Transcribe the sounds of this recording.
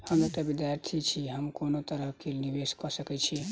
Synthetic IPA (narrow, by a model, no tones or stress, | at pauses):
həmɾot̪əbid̪jaɾt̪ʰit͡ʃʰiɦəmkonot̪əɾəɦkeniʋeskɔsəkɛt͡ʃʰi